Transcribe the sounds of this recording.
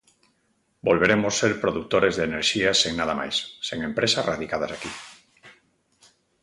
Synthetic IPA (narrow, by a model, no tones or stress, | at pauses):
bolβeɾemosːeɾpɾoðuk̚t̪oɾezðeːneɾʃiaseŋnaðama̰jsːeŋempɾesazraðikað̞asaki